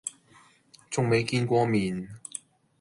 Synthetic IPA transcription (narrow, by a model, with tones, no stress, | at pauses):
t͡sʊ˨ŋme˨˧jkiː˧nkʷɔː˧miː˨n